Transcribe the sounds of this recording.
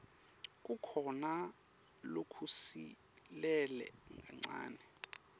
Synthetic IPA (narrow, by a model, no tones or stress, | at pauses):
k̬ʼukʰɔna | lokʰusi | lɛlɛ̰ŋɡʱaŋ͡ǀa̰ːnɛ